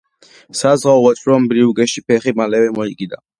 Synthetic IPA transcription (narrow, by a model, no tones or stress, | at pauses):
sazʁaɔvat͡ʃʼɾɔmbɾiuɡɛʃipʰɛχimalɛvɛmɔiɡid̪a